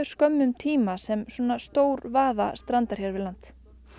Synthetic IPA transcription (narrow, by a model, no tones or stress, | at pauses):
ʏ̥skœmːʏmt̪ʰiːmasɛmswuɔnast̪oːwɾvaːða̰st̪ɾant̪aɾ̥çɛɾvɪðlant̪